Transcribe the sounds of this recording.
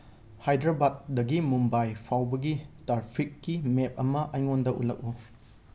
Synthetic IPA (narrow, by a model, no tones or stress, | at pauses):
hajdɾabat̚dɐɡimumbajpʰawbɐɡitɾaɾpʰikːimep̚ɐmɐʔɐjŋondɐʔṵlɐk̚u